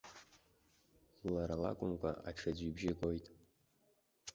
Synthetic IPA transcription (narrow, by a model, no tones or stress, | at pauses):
laɾala̰kʷʼʊmkʷʼa̰ʔaʈ͡ʂʰad͡ʑʷibʒeɡʷʼojtʼ